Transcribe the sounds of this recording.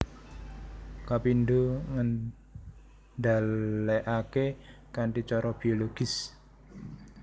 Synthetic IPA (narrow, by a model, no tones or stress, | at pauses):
kapindoŋən | daleʔake | kanʈit͡ʃɔɾɔb̥i̤oloɡ̥ɪs